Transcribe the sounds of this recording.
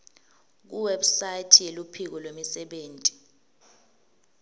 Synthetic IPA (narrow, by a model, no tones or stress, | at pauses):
k̬uwebsajitʰijelupʰik̬ɔlwemisɛɓeːntʼi̥